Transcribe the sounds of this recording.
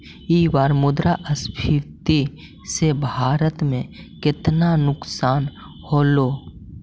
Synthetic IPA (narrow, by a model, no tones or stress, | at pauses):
iːwaːɾmʊd̪ɾaʔəsbʱʰiwt̪i | sebʱaːɾət̪mẽkɪt̪nanʊksaːn | hoːloː